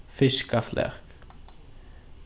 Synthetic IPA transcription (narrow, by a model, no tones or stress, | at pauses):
fɪskaflɛ̰χk